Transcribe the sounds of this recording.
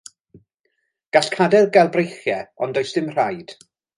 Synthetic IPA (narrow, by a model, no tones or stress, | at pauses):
ɡ̥aɬkʰadɛlɡalˠbrejχjɛɔndɔjsd̥ɪmr̥ajd̥